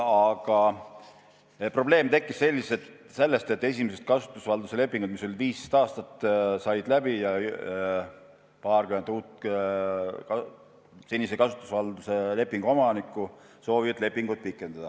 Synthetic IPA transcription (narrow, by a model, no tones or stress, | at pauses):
ɑɡ̥ɑ | pro̞ble̞ːmt̪e̞kːˑisse̞lʲːiset̪ | se̞lːe̞st̪e̞t̪ːe̞sʲimesest̪̚kɑsu̥t̪ːˑusvɑld̪use̞le̞pːˑiŋɡ̥ud̪̥miso̞lʲiviːst̪ɑːst̪ɑt̪ːˑsɑjd̪læb̥ijɑ | pɑːrkyhe̞nd̪uːt̪ | kɑ | sinʲisekɑsu̥t̪ˑːu̥svɑld̪̥usele̞pˑːiŋɡ̥uo̞mɑnikːˑuso̞ːvid̪le̞pːiŋɡ̥ud̪̥̚pikːˑe̞nd̪ɑd̪̥ɑ